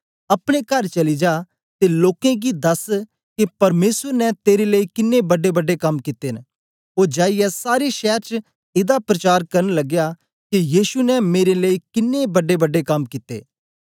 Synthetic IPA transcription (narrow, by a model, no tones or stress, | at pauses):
ɐpɽ̃ekɐɾt͡ʃɐlid͡ʒaː | t̪eloːkẽɡid̪ɐs | kipɐɾmeːsəɾnɛ̃t̪eːɾeləiːkɪnːebɐɖebɐɖekɐmkɪt̪eːn | oːd͡ʒaːijɛsaːɾeʃɛːəɾt͡ʃ | ɪd̪apɾɐt͡ʃaːɾkɐɾənlɐɡja | kijiːʃunɛmeːɾeləikɪnːebɐɖebɐɖekɐmkɪt̪ḛː